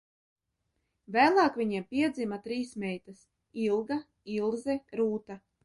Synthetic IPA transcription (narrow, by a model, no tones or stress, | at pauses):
væːlˠɑːkvʲiɲapʲiɛd̪zʲimat̪ɾiːsmʲɛjt̪as | ilˠɡa | ilˠzɛɾuːt̪a